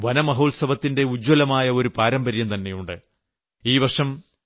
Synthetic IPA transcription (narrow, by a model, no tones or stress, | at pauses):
ʋɐnɐmɐɦoːlsɐʋɐt̪ːinde̞ud͡ʑwɐlɐmaːjɐo̞ɾupaːɾɐmbɐɾjɐmt̪ɐnːe̞juɳɖɨ | iːʋɐrʂɐm